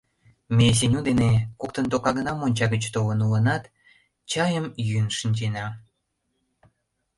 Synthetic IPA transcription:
mes̬enʲud̪enekok̚t̪ənt̪okɑɣənɑmonʲt͡ɕɑɣət͡ɕt̪olənulənɑt̪ | t͡ɕɑjəmjynʃinʲd͡ʑenɑ

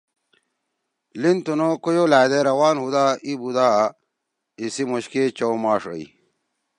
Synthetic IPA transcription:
lint̪unokojolaːd̪eɾɐwaːnhud̪aːibud̪aː | isimoɕket͡ɕowmaːʂə̰ḭ

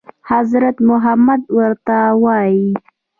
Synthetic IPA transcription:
hazɾat̪mʊɦamad̪wəɾt̪awɑji

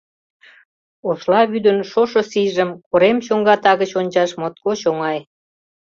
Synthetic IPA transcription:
oslɑβyd̪ənʃoʃosiʒəmkoɾemɕoŋɡɑt̪ɑɣət͡ɕonʲt͡ɕɑʃmot̪̚koɕoŋɑj

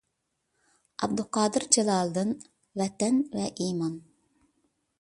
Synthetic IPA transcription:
ɑbd̪uqʰɑːd̪ɨɾd͡ʒɛlˠɑːlˠd̪ɨn | vɛt̪ɛnvɛʔiːmɑn

